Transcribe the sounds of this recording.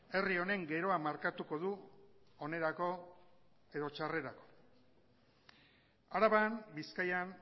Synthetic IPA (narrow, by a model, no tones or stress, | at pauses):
e̞rio̞ne̞ŋɡe̞ɾo̞amaɾkat̪uko̞ðuone̞ɾako̞ | e̞ð̞o̞t͡ʃare̞ɾako̞̥ | aɾaβambiskajan